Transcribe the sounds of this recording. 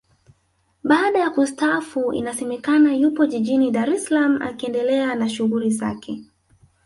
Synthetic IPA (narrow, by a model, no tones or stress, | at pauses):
ɓaːɗajakustafuḭnasɛmɛkanajupɔʄiʄiniɗaɾɛsalam̩ʔa̰kiɛndɛlɛanaʃuɣuliza̰kʰɛ